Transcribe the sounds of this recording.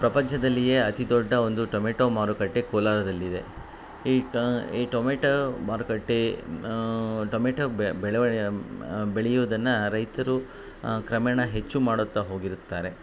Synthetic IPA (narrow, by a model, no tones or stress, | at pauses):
pɾɐpɐɲt͡ʃʰɐd̪ɐlːije̞ːɐt̪id̪ɔɖːɐo̞nd̪uʈomeːʈoːmaːɾukɐʈːekɔːlaːɾɐd̪ɐlːid̪e̞̰ | iːiːʈoːmeːʈomaːɾukɐʈːe | ʈoːmeːʈobeɭ | beɭɛjuʋɐd̪ɐnːɐɾɐjt̪ɐɾu | kɾɐmɛɳɐɦe̞t͡ʃːumaːɽut̪ːɐɦo̞ːɡiɾut̪ːaːɾe̞